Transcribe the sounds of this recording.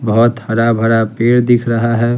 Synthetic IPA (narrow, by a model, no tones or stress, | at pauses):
bəɦʊt̪həɽabʱəɾapeːɽd̪ɪkʰɾəɦaɦɛː